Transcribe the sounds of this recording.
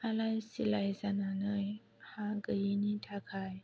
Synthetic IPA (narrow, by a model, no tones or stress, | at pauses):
ʔalajsilajzananəj | haɡəjinitʰakʰaj